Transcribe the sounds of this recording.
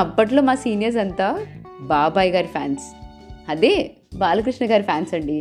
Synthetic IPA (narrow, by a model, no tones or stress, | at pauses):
ɐpːɐʈ̬loːmaːsiːnijɐɾs̬ɐnt̪aː | baːbaːjɡaːɾipʰjaːns | ɐd̪eː | baːlɐk̬ɾiʂɳɐɡaːɾipʰaːnsɐɳɖi